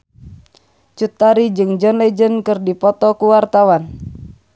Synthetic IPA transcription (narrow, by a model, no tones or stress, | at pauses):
t͡ʃut̪ːaɾid͡ʒɨŋd͡ʒɔnlɛd͡ʒənkɨrdipɔt̪ɔkuwart̪awan